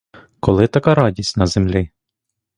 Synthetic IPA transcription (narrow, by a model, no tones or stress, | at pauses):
kɔlˠɪt̪ɐkɑɾɑdʲisʲtʲnɐzemlʲɪ